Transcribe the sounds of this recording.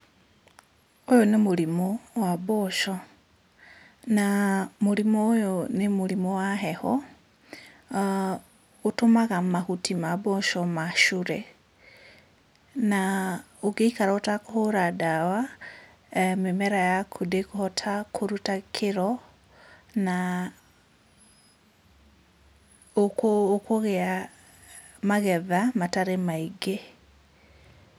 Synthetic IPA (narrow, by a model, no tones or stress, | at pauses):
ojonemulimowaboʃo | namulimojonemulimowaɦɛhɔ | utomaɣamahutʰimaboʃɔmaʃuɾe | na | oɡeikaɾaotakohoɾadawa | memɛɾajakʰudekohɔtʰakʰoɾutakʰeɾɔ | na | okokoɣɛa | maɣɛðamataɾemaiɡe